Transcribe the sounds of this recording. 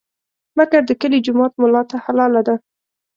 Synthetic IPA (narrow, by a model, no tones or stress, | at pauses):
makaɾd̪əkəlid͡ʒʊmɑt̪̚mʊlɑt̪ahalɑlad̪a